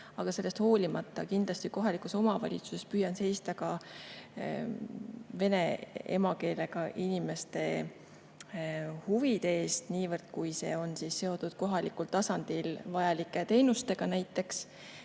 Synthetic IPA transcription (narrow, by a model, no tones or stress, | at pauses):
ɑɡ̥ɑse̞lːst̪ho̞ːlʲimɑt̪ːˑɑkind̪̥lɑst̪iko̞ɦɑlikuso̞mɑvɑ̰lʲḭt̪su̥se̞spyːjɑnse̞jst̪ɑkɑ | ve̞ne̞ḛmɑke̞ːle̞ɡ̥ɑʔinime̞st̪e̞ | huvid̪̥e̞eːst̪niːvɤrd̪̥kujse̞̰ːo̞nsisːe̞o̞d̪̥ud̪̥ko̞ɦɑlikult̪ɑsɑnd̪̥ilvɑjɑlikˑːe̞t̪e̞jnust̪e̞ɡ̥ɑnæjt̪ːˑe̞ks